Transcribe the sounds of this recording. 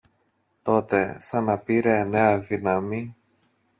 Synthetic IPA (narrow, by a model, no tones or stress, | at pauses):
t̪o̞t̪e̞sɐnɐpiɾene̞ɐðinɐmi